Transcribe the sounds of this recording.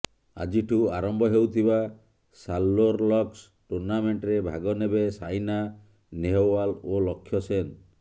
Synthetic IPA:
a̰d͡ʒiʈʰuaɾɔmbʱɔɦewt̪ʰiba | salːoɾlɔks | ʈuɾnameɳʈɾebʱa̰ɡɔnebesajna | neɦowalolɔkʰːjɔsen

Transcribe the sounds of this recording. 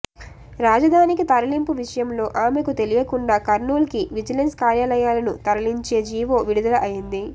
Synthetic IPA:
ɾaːd͡ʒɐd̪ʱaːnikit̪ɐɾɐlimpuʋiʂɐjɐmlo̞ːʔaːmekut̪e̞lijɐkuɳɖaːkɐɾnuːlkiʋid͡ʒɐlenskaːɾjaːlɐjaːlɐnut̪ɐɾɐliɲt͡ʃe̞ːd͡ʒiːʋo̞ːʋiɽud̪ɐlɐʔɐjind̪i

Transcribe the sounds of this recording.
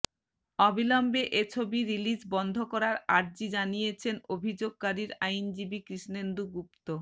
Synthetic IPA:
ɔbʱilɔmbeʔet͡ɕʰobiɾilid͡ʑbɔnd̪ʱokɔɾaɾaɾd͡ʑid͡ʑanijet͡ɕʰenobʱid͡ʑoɡ̚kaɾiɾajnd͡ʑibikɾiʃnend̪uɡup̚t̪o

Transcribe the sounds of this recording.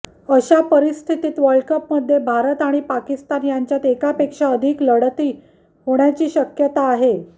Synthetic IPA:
əɕapəɾist̪ʰit̪iːt̪ʋəɾɭkəpməd̪ʱːjebʱaɾət̪aɽ̃ipakist̪anjaɲt͡ɕjat̪ekapekʂaəd̪ʱikləɽt̪iː | ɦoɽ̃jat͡ɕiːɕəkjət̪aːɦe

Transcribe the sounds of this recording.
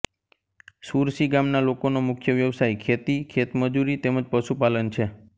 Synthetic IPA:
suɾsiɡamnalokonomʊkʰjəʋjəʋsajkʰet̪ikʰet̪məd͡ʒuɾit̪eməd͡ʒpəʃupalənt͡ʃʰe

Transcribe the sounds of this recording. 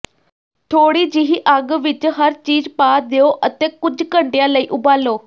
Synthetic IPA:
t̪ʰoːɽiːd͡ʒɪɦiːʔəɡʋɪt͡ʃɦəɾt͡ʃiːzpaːɾd̪eoːʔət̪eːkʊd͡ʒkəɳɖejãːləiːʔʊbaːloː

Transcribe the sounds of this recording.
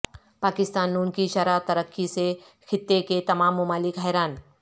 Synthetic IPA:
paːkɪst̪aːnːuːnkiʃɐɾat̪ɐɾəkːise | xʰɪt̪ːeket̪ɐmaːmːʊmaːlɪkɦɛjɾaːn

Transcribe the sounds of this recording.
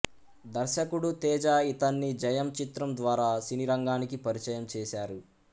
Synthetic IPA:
d̪ɐɾʃɐkuɽut̪ɛːd͡ʒaːit̪ɐnːid͡ʒɐjɐmt͡ʃit̪ɾɐmd̪ʋaːɾaːsiniɾɐŋɡaːnikipɐɾit͡ʃɐjɐmt͡ʃɛːʃaːɾu

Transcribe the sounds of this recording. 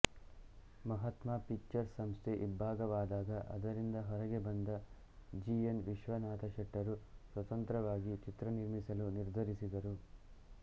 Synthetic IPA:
mɐɦɐt̪mapikt͡ʃːɐɾsːɐmst̪ʰeʔibʱaːɡɐʋaːd̪aːd̪ɐʔɐ̰d̪ɐɾind̪ɐɦɔɾɐɡe̞bɐnd̪ɐ | d͡ʒienʋiʃʋɐnaːt̪ʰɐʃɛʈːɐɾusʋɐt̪ɐnt̪ɾɐʋaːɡit͡ʃit̪ɾɐniɾmisɐluniɾd̪ʱɐɾisid̪ɐɾu

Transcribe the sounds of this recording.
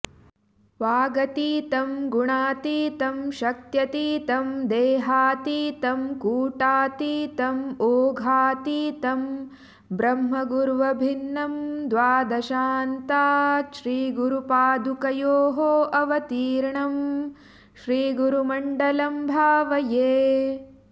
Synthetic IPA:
ʋaːɡɐt̪iːt̪ɐmɡuɳaːt̪iːt̪ɐmʃɐk̚t̪jɐt̪iːt̪ɐmd̪eːɦaːt̪iːt̪ɐmkuːʈaːt̪iːt̪ɐmoːɡʱaːt̪iːt̪ɐm | bɾɐmɦɐɡuɾuʋɐbʱinːɐmd̪ʋaːd̪ɐʃaːnt̪aːʃɾiːɡuɾupaːd̪ukɐjoːɦoːʔɐʋɐt̪iːɾɳɐm | ʃɾiːɡuɾumɐɳɖɐlɐmbʱaːʋɐjeː

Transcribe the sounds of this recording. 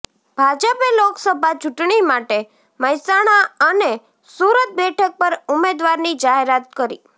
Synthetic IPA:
b̥ʱad͡ʒəpeloksəbʱat͡ʃuʈɳimaʈe | məjsaɽ̃aəne | suɾət̪̚bɛʈʰək̚pəɾʊmed̪ʋaɾnid͡ʒaɦeɾat̪̚kəɾḭ

